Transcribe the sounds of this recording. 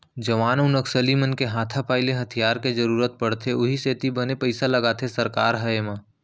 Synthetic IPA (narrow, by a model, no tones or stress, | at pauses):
d͡ʒɐʋaːnʊnəksəlimənkeɦãːt̪ʰapaːɪleɦɐt̪ʰijaːɾked͡ʒɐɾuːɾət̪̚pɐɽt̪ʰeʊɦiseːt̪ibənepɐɪsalɐɡaːt̪ʰesɐɾkaːɾɦɐeːmãː